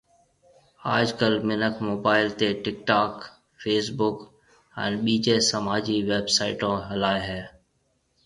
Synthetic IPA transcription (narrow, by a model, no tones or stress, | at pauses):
aːd͡ʒkəlmɪnəkmoːbaːɪlt̪eːʈɪkʈaːk | fʰeːs̬bʊk | ɛ̰̃ːnɓiːd͡ʒeːsəmaːd͡ʒiːʋeːbsaːɪʈõːɦəlaːeɦɛː